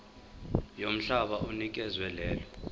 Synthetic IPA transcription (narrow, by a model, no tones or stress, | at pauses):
jom̩ɬaɓaʔunik̬ʼɛzwɛlɛːlɔ